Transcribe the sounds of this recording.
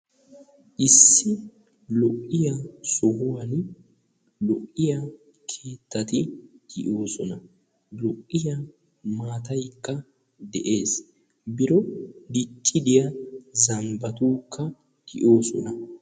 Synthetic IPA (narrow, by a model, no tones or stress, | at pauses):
ʔɪsːɪ | lɔʔɪjasɔhʊwan | lɔʔɪja | kʰe̞ːt̪ːɐt̪ɪɡ̥ɪʔo̞ːsɔnɐ | lɔʔːɪja | maːt̪ɐjkːɐ | d̪ɛ̰ʔe̞ːs | bɪɾɔd̪ɪt͡ʃʼːɪd̪ɪjɐzɐmbɐt̪uːkʰːɐ | d̪̥ɪʔo̞ːsɔ̰nɐ